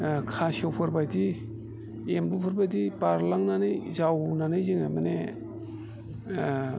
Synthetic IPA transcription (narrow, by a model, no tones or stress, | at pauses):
kʰasewpʰɯɾbajdi | embupʰɯɾbajdipaɾlaŋnanɯjzawnanɯjzɯŋamane